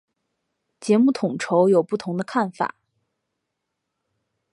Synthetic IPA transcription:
t͡ɕjɛ˧˥mu˥˩t̪ʰʊ˨˩ŋʈ͡ʂʰo˧˥ʊjo˨˩ʊpu˥˩t̪ʰʊ˧˥ŋd̪ə˧kʰa˥˩nfa̰˨˩˦

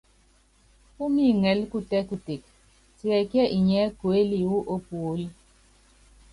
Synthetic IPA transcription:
u˦mi˦˨ŋɛ˨˦lku˦tɛ˦ku˨te˨k̚ | ti˦ɛ˨kjɛ˦ʔi˨ɲɛ˨˦ko˨e˦li˨wu˦ʔo˦pu˨o˦li˦

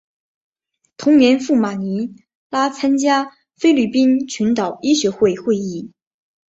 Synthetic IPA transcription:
t̪ʰʊ˧˥ŋnjɛ˧˥nfu˥˩ma˨˩ni˧˥ | la˥t͡sʰa˥nt͡ɕja˥ | fe˥ɪly˥˩pi˥nt͡ɕʰy˧˥nt̪ɑ˨˩ʊi˥ɕɥɛ˧˥xwe˥˧ɪxwe˥˧ɪi˥˩

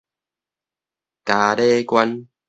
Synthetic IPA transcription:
ka˨ɾe˦kwa˦n

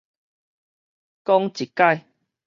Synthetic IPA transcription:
kɔ˦ŋt͡ɕi˨˩kːa˥˧˨j

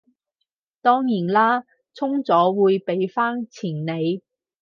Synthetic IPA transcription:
t̪ɔː˥ŋjiː˨˩nlaː˥ | t͡sʰʊ˥ŋt͡sɔː˨˥wuː˨˧jpe˨˧jfaː˥nt͡sʰiː˨˩nne˨˧j

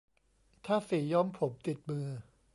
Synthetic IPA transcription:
t̪ʰaː˥˩siː˩˦jɔ˥˨mpʰo˨˦p̚t̪i˨˩t̪̚mɯː˧

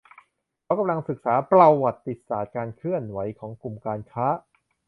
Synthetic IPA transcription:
kʰa˦˥wka˧mla˧ŋsɯ˨˩k̚saː˩˦pɾa˧wwa˨˩t̪̚ːi˨˩t̪̚saː˨˩t̪̚kaː˧nkʰɯ˥˩ənwa˩˦jkʰɔː˩˦ŋku˨˩mkaː˧nkʰaː˦˥ʔ

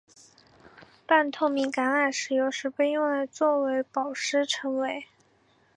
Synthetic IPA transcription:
pa˥˧nt̪ʰo˥˩ʊmi˧˥ŋka˧˥na˨˩nʂɻ̩˨˩jo˧˥ʊʂɻ̩˧˥pe˥˧ɪjʊ˥˩˧ŋla˧˥ɪt͡swɔ˥˩we˧˥ɪpɑ˨˩ʊʂɻ̩˥ʈ͡ʂʰɤ˧˥ŋwe˧˥˦ɪ

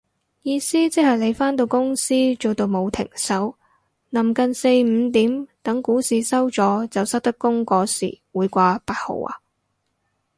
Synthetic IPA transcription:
jiː˧siː˥t͡sɪ˥k̚hɐ˨jle˨˧jfaː˥nt̪̬o˧wkʊ˥ŋsiː˥t͡ʃo˨wt̪o˧wmo˨˧wt̪ʰɪ̰˨˩ŋsɐ˨˥w | nɐ˨˩mkɐ˨˧nse˧jm̩˨˧t̪iː˨˥mt̪ɐ˨˥ŋkuː˨˥siː˨˧sɐ˥wt͡sɔː˨˧˥t͡sɐ˨wsɐ˥t̚t̪ɐ˥kːʊ˥ŋkɔː˧sḭː˨˩wuː˨˧jkʷaː˧paː˧t̚ho̰˨˩wa̰ː˧

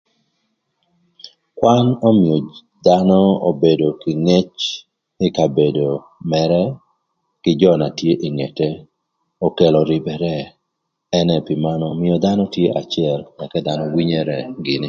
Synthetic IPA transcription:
kwa˦no˦mɪ˨o˨ | d̪a˦nɔ˦o˨be˨do˨kɪ˨ŋe˦t͡ʃ | ɪ˦ka˨be˨do˨ | mɛɾɛ | kɪ˨d͡ʒɔ˦na˨tje˦ʔi˨ŋe˨te˦ | o˨ke˨lɔ˨ɾi˨bɛ˨ɾɛ˦ | ɛ˦nɛ˨pɪ˨ma˦nɔmɪɔ˨d̪a˦nɔ˦tje˦ʔa˨t͡ʃɪɛ˦˨lɛ˨kɛ˦d̪a˨nɔ˦wi˦ɲe˦ɾɛ˨ɡɪ˨nɪ˦

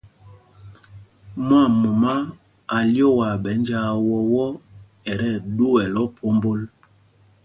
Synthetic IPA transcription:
m˦a˦˨mu˨ma˦ | a˨ljo˦˨wa˨ɓɛ˨˦nd͡ʒa˦wɔ˦wɔ˦ | ɛ˨ɾɛ˦˨ɗu˦wɛ˨lɔ˦pʰo˦mbo˦l

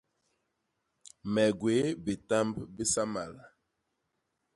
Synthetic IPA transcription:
mɛ˨ɡwe˨˦bi˨ta˦mbbi˦sa˦ma˨la˨

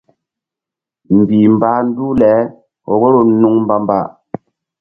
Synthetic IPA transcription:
m̩˨bi˨m̩˨ba˦n̩˦du˦lɛː˨˦ | ɔ˨wo˦ɾo˦n̩˦nu˦ŋm̩˦ba˦m˦ba̰˦˨ʔ

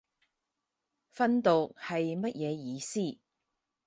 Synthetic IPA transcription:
fɐ˥nt̪o˨k̚hɐ˨jmɐ˥t̚jɛː˨˧jiː˨˧siː˥˩

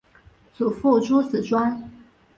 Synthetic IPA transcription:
t͡su˨˩fu˥˩ʈ͡ʂu˥s̩˨˩ʈ͡ʂwa˥n

